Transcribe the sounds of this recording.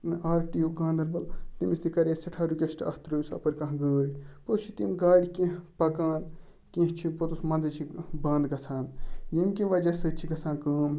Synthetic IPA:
aːɾʈiuɡãːnd̪ɐɾbɐlt̪imist̪ikɐɾeːsɐʈʰaːɾukʲɐsʈɐ̰t̪ɾɐusɐ̰pɐɾkɐ̃ɦɡəːɽʲipot̪t͡ʃʰit̪imɡaːɽʲikĩɦpɐkaːn | kĩɦt͡ʃʰipot̪usmɐnzɐt͡ʃʰibɐːnd̪ɡɐsʰaːnjɐmkĩʋɐd͡ʒɐsɐːt͡ʃʰiɡɐsʰãːnkɐːm

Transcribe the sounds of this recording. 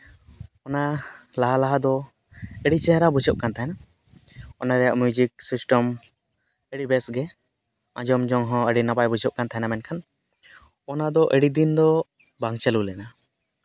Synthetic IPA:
ɔnalaɦalaɦad̪ɔ | ɛɽit͡ʃɛɦɾabud͡ʒʱɔʔ̚kant̪ʰaɦɛna | ɔnaɾɛjaʔmjud͡ʒik̚sisʈɔm | ɛɽibɛsɡɛ | ãd͡ʒɔmd͡ʒɔŋɦɔ̃əɽinabajbud͡ʒʱɔʔ̚kant̪aɦɛnamɛnkʰan | ɔnad̪ɔʔeɽid̪ind̪ɔ | baŋt͡ʃɛlulɛna

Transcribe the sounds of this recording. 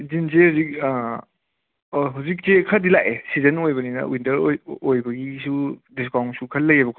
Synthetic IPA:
zinsehawzik̚ | ɦawzik̚t͡ʃekʰɐdilaʔesizɐnojbɐninɐ̰wintɐɾojbɐɡisudis̬kawŋsukʰɐlːɐjebɐkʰ

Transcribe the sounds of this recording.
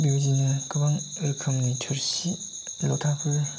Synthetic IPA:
bizinɯkɯbaŋɯɾkʰɯmnitʰɯɾsi | lɔtʰapʰɯ

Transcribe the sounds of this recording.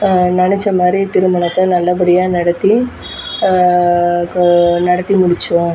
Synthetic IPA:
nɐɳɛt͡ʃːɐmaːd̪ɾit̪ɪɾɯmɐɳɐt̪ːɐnɐlːɐp̬ɐɽɪjaːnɐɽɐt̪ːi | nɐɽɐt̪ːimʊɽɪt͡ʃːʊ̃

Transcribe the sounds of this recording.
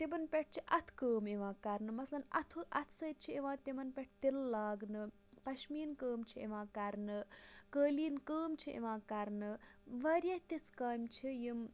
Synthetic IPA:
t̪ibɐnpʲɛʈ̚ʰt͡ʃʰiʔɐt̪ʰkəːmiʋãːkɐɾnɨmɐslɐnɐ̰t̪ʰuʔɐt̪ʰsɐːt̪̚t͡ʃʰiiʋãːt̪imɐnpʲɛʈ̚ʰt̪ilːaːɡnɨ | pɐʃmiːnkəːmt͡ʃʰiḭʋãːkɐɾnɨkəːliːnkəːmt͡ʃʰiʔḭʋãːkɐɾnɨʋɐɾʲjɐt̪iskaːmʲt͡ʃʰijim

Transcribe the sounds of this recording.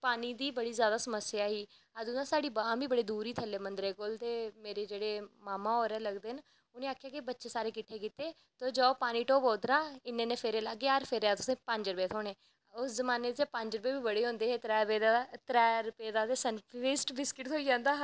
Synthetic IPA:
paːniːd̪iːbəɽiːzjaːd̪aːsəməsːjaːɦiː | əd̪ʊnãːsaːɖiːbãːbʱiːbəɽeːd̪uːɾiːt̪ʰəlːeːmə̃nd̪ɾeːkolt̪eːmeːɾeːd͡ʒeːɽeːmaːmãːoːɾɛːləɡd̪eːn | ʊnẽːaːkʰːjaːkɪbətːʃeːsaːɾeːkɪʈʰeːkiːt̪eː | t̪oːd͡ʒaːopaːniːʈoːpoːd̪ɾãːɪnẽːnẽːpʰɪɾeːlaːɡeːaɾpʰɪɾeaːt̪ʊsẽːpə̃ɲd͡ʒɾəpeːt̪ʰoːɽ̃eː | ʊszəmaːneːd̪d͡ʒeːpə̃ɲd͡ʒɾəp̬eːbiːbəɽeːɦõːnd̪eːɦeːt̪ɾɛːpeːd̪at̪ɾɛːɾəpeːd̪aːt̪eːsənpːeːsʈbɪskɪʈ̪ɦoːiːd͡ʒãːnd̪aː

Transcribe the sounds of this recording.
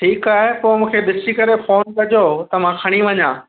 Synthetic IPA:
ʈʰiːkaːɦepoːmũːkʰed̪ɪsikɐɾefoːnkɐd͡ʑʱot̪ɐmãkʰɐɽ̃iʋɐɲãː

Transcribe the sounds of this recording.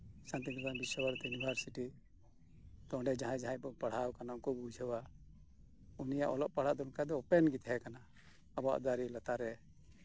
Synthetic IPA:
sãnt̪iɡ̪banbisɔbaɾt̪junibʱaɾsiʈi | t̪ɔɖɛd͡ʒaɦãjd͡ʒaɦãjbɔɡpaɽ̤awkanauŋkɔbud͡ʒʱəwa | unijaʔɔlɔʔpaɽ̤aʔd̪ɔnkad̪ɔɔpɛnɡit̪ɦɛkana | əbɔa̰ʔd̪aɾilat̪aɾɛ

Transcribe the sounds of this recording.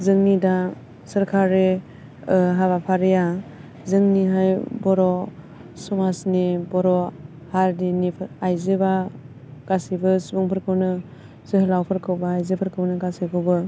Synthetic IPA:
zɯŋnida | sɯɾkʰaɾe | ɦaβapʰaɾija | zɯŋniɦajbɔɾɔ | sɔmasnibɔɾɔ | haɾdinipʰajzeba | ɡ̥asibɯsbuŋpʰɯɾkʰɯwnɯ | zɯɦɯlawpʰɯɾkʰɯwbaːjzepʰɯɾkʰɯwnɯɡasikʰɯwbɯ

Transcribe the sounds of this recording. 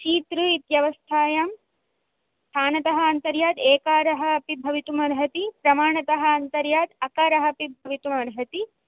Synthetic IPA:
t͡ʃiːt̪ɾuit̪jɐʋɐst̪ʰaːjaːm | sst̪ʰaːnɐt̪ɐɦɐ̆ɐnt̪ɐɾjaːd̪eːkaːɾɐɦɐɐpibʱɐʋit̪umɐɾɦɐt̪ipɾɐmaːɳɐt̪ɐɦɐ̆ːnt̪ɐɾjaːd̪ɐkaːɾɐɦɐpibʱɐʋit̪umɐɾɦɐt̪i

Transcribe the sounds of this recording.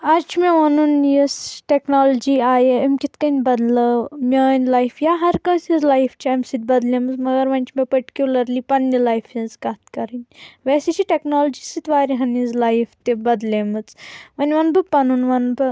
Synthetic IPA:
ɐt͡ʃʰmeʋɐnunjisʈʲeknoːld͡ʒiːaːjeɐmkʲit̪kɐnʲbɐd̪lɐmʲɐːnʲlɐjfjaːɦɐɾkɐ̃ːsizlɐjfʰt͡ʃʰiɐmʲsit̪̚bɐd̪lʲemɨt͡smɐɡɐɾʋɐnʲt͡ʃʰmepɐɾʈi̥kʲjulɐɾliːpɐnːilɐjfjinzkɐt̪kɐɾɨnʲʋeset͡ʃʰiʈeknoːld͡ʒisit̪ʋaːɾʲiɦɐnizlajft̪ebɐd̪lemɨt͡sʋɐnʲʋɐnbɨpɐnunʋɐnbɨ

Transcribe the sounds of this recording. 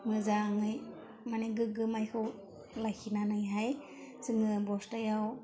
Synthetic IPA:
mɯzaŋɯj | maniɡɯɡɯmajkʰɯw | lajkʰinanɯjɦaj | sɯŋɯbɔstajaw

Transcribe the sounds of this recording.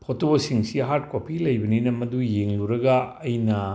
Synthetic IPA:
pʰotosiŋsiɦaɾt̚kopilɐjbɐninɐmɐdujeŋluɾɐɡɐːjnɐ

